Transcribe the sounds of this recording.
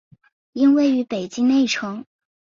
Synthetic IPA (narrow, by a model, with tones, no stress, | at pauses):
i˥nwe˥˩ɪy˧˥pe˨˩ɪt͡ɕi˥ŋne˥˩ɪʈ͡ʂʰɤ˧˥ŋ